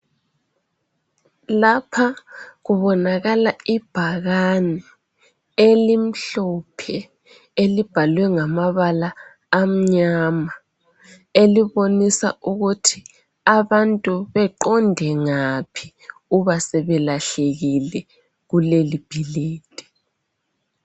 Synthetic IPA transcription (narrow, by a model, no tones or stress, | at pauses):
lapʰaɣuβɔnaɣalaib̥ʱaɣanɛ | elim̩ɬɔpʰɛ | elib̥ʱalwɛŋamaβalaː | m̩ɲama | eliβonisa̰ʔuɣutʰi | aβantʼuβɛǃɔndʱɛŋapʰi̥ | uβasɛβɛlaɬeɣilɛ | ɣulelib̥ʱileːd̥ʱɛ̥